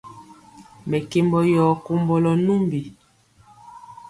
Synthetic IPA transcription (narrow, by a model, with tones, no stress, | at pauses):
mɛ˨ke˨mbɔ˨jɔ˨ko˨mbɔ˨lɔ˨nu˦mbi˨